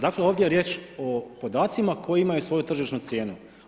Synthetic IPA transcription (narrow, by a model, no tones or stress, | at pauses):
d̪akle̞o̞ːʋd̪jejeɾjeːt͡ʃo̞po̞d̪aːt̪simako̞jiimajusʋo̞jut̪r̩ʒiʃnut̪sʲjeːnu